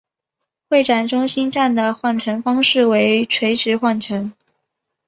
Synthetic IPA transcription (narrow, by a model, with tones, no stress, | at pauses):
xwe˥˩ɪʈ͡ʂa˨˩nʈ͡ʂʊ˥ŋɕi˥nʈ͡ʂa˥˩nd̪ə˩xwa˥˩nʈ͡ʂʰə˧˥nfɑ˥ŋʂɻ̩˥˩we˧˥ɪʈ͡ʂʰwe˧˥ɪʈ͡ʂɻ̩˧˥xwa˥˩nʈ͡ʂʰə˧˥n